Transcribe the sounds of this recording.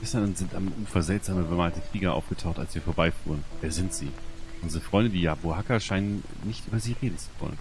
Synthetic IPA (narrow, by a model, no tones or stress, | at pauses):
ɛstɐnʊnz̥ɪntamʔuːfɐzɛltz̥aːməbəmaːltəfliːɡɐʔa̰ʊfɡ̥ətʰaʊxta̰lsv̥iːɐfoːɐbaɪfṵːʁ̞ənvɛːɐzɪntz̥ḭːʔʔʊnzəʁəfʁ̥ɔʏndədiːjaːboɦakaʃaɪnənnːɪçtʔyːbɐziːʁeːdn̩t͡su̥vɔ̰lə̰n